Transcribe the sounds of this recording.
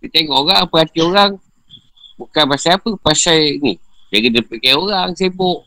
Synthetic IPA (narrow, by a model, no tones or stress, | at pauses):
dit̪eŋɔʔoɣaŋapəɦat̪ioɾaŋ | bukanpasaapəpasajnid͡ʒaɡidəpikajoɾaŋseboʔ